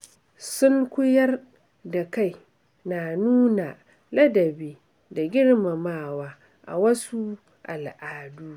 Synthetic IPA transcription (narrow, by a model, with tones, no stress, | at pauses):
sʊ˦ŋkʷʊ˦jɐ˦r | da˨ka˦˨j | na˨nuː˦na˨ | lɐ˦dɐ˨beː˦ | da˨ɡʲɪ˦ɽma˨maː˦˨waː˦ | ʔa̰˨wɐ˦su˦ | ʔa˨lʔaː˨duː˦